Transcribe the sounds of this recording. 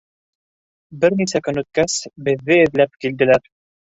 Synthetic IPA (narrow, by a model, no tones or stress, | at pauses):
bɘɾnisækɵnʉt̪̚kæsbɘ̆ðːɘɘ̆ðlæp̚kild̪ɘ̆læɾ